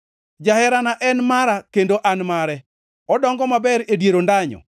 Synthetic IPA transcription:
d͡ʒahɛɾanaʔɛnmaɾakendoʔanmaɾɛ | ɔdɔŋɡɔmabɛɾedjeɾondaɲɔ̰

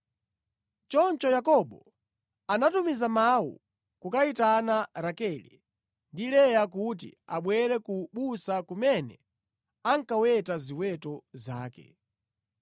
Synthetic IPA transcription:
t͡ʃɔnt͡ʃɔjakɔɓɔ | anatumizamaṵ | kukaitanaɾakɛlḭ | ndilɛjak̬ut̬ḭaɓwɛɾɛkuɓusakumɛnɛ̰ | aŋkawɛtaziwɛtɔza̰ːkɛ̰

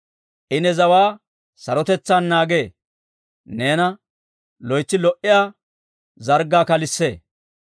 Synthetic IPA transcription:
ʔɪnɛzɐwaː | sɐɾɔt̪ɛt͡sːaːnːaːɡe̞ː | ne̞ːnɐ | lɔjt͡sːɪlɔʔɪjaː | zɐɾɡaːkɐlɪsːeː

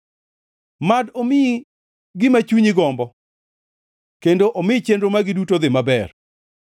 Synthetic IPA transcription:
madomɪ | ɡɪmat͡ʃuɲɪɡɔmbɔ | kendoʔomɪt͡ʃendɾomaɡɪdutod̪ɪmabɛr

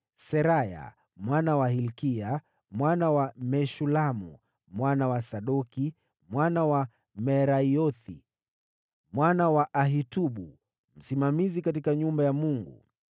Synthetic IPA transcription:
sɛɾaja̰ | mwanawahilkia | mwanawamɛʃulamṵ | mwanawasaɗɔki | mwanawa | mɛɾaiɔθḭ | mwanawaʔaɦituɓu | m̩simamizikat̬ikaɲumbajamuŋɡṵ

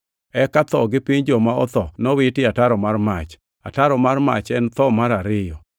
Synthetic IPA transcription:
ɛkat̪ɔɡɪpiɲd͡ʒɔmaɔt̪ɔnɔwɪtɪataɾɔmarmat͡ʃ | a̰taɾɔmarma̰t͡ʃɛnt̪ɔmaɾaɾɪjɔ

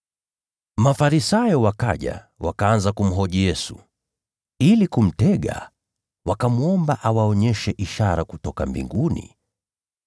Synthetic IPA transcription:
mafaɾisajɔwaka̰ʄa̰ | wakaanzakum̩ɦɔʄijɛsṵ | ilikum̩tɛɠa̰ | wakamuɔmbaʔawaɔɲɛʃɛʔiʃaɾakutɔkambḭŋɡunḭ

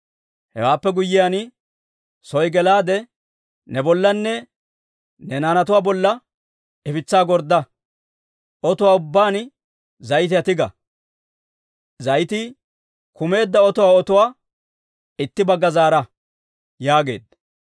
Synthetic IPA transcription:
hɛ̰waːpːɛɡʊjːɪjanɪ | sɔjɡɛlaːd̪ɛ | nɛbɔlːɐnːɛ | nɛnaːnɐt̪ʊwaːbɔlːɐ | ɛfɪt͡sːaːɡɔɾd̪ːɐ | ɔt̪ʊwaːʊbːaːn | zɐjt̪̬ɪɐt̪ɪɡɐ̰ | zɐjt̪ɪ | kʊme̞ːd̪ːɐɔt̪ʊwaːɔt̪ʊwaː | ɪt̪ːɪbɐɡːɐzaːɾɐ | jaːɡe̞̰ːd̪ɐ

